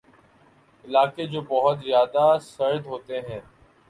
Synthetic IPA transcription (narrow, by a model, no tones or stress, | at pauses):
ɪlaːkeːd͡ʑoːbəɦʊt̪zjaːd̪asəɾd̪ɦoːt̪eɦɛ̃ː